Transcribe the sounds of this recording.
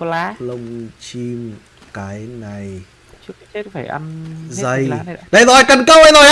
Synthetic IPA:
lə˧wŋ͡mt͡ɕi˧m | kaː˨˦jna˨˩j | faː˧˩jʔa˧nzə˧˩jɗə˧˩jzɔ˨˩˨kə˧˩nkə˧˦wə˧jzo˨˩j

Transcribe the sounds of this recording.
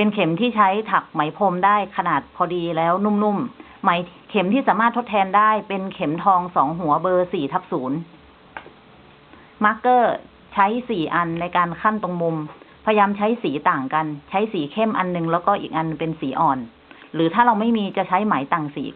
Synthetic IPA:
pe˧nkʰe˩˦mt̪ʰiː˥˩t͡ɕʰa˦˥jt̪ʰa˨˩k̚ma˨˩˦jpʰo˧mdaː˥˩jkʰa˧naː˨˩t̪̚pʰɔː˧diː˧lɛː˦˥wnu˥˩mnu˥˩mː | a˩˦jkʰe˩˦mt̪ʰiː˥˩saː˩˦maː˥˩t̪ʰːo˦˥t̪ʰːɛː˧ndaː˥˩jpe˧nkʰe˩˦mt̪ʰɔː˧ŋsɔː˩˦ŋɦu˩˦ɐbɤː˧siː˨˩t̪ʰa˦˥p̚suː˩˦n | ma˦˥kːɤː˥˩ | t͡ɕʰa˦˥jsiː˨˩ʔa˧nːa˧jkaː˧nkʰa˥˩mt̪o˧ŋmu˧mpʰa˧jjaː˧mt͡ɕʰa˦˥jsiː˩˦t̪aː˨˩ŋka˧nt͡ɕʰa˦˥jsiː˩˦kʰe˥˩mʔa˧nːɯ˧ŋlɛː˦˥wkɔː˥˩ʔḭː˨˩k̚ʔa˧npe˧nsiː˩˦ʔɔː˨˩n | ɾɯː˩˦t̪ʰaː˥˩la˧wma˥˩jmiː˧t͡ɕa˨˩t͡ɕʰa˦˥jma˩˦jt̪aː˨˩ŋsiː˩˦

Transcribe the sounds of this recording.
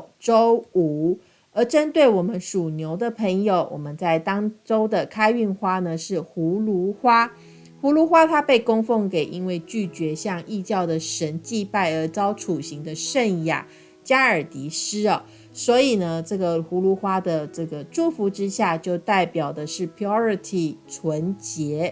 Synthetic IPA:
ʈ͡ʂo˥ʊu˧˥˦ | ə˧˥ʈ͡ʂə˥nt̪we˥˩ɪwɔ˨˩mə˦nʂu˨˩njo˧˥ʊd̪ə˨pʰə˧˥ŋjo˨˩ʊwʔɔ̰˨˩mə˦nt͡sa˥˩ɪt̪ɑ˥ŋʈ͡ʂo˥ʊd̪ə˨kʰa˥ɪy˥˩nxwa˥nə˨ʂɻ̩˥˩xu˧˥lu˧˥xwa˥ | xu˧˥lu˧˥xwa˥t̪ʰa˥pe˥˩ɪko˥ŋfo˥˩ŋke˨˩ɪʔi˦˥nwe˥˧ɪt͡ɕy˥˩t͡ɕɥɛ˧˥ɕjɑ˥˧ŋʔi˥˧t͡ɕjɑ˥˩ʊd̪ə˩ʂə˧˥nt͡ɕi˥˧pa˥˩ɪə˧˥t͡sɑ˥ʊʈ͡ʂʰu˨˩ɕi˧˥ŋd̪ə˧ʂə˥˧nja̰˨˩ | t͡ɕja˥ə˞˨˩t̪i˧˥ʂɻ̩˥ɐ˨˩ | swɔ˧˥i˨˩nə˩˦ʈ͡ʂɤ˥˩ɡə˩xu˧˥lu˧˥xwa˥d̪ə˨ʈ͡ʂɤ˥˩ɡə˩ʈ͡ʂu˥˩fu˧˥ʈ͡ʂɻ̩˥ɕja˥˧t͡ɕjo˥˧ʊt̪a˥˩ɪpjɑ˨˩ʊd̪ə˦ʂɻ̩˥˩pʰi˧ɔ˥˦ɹi˧t̪ʰi˨˩ʈ͡ʂʰwə˧˥nt͡ɕjɛ˧˥

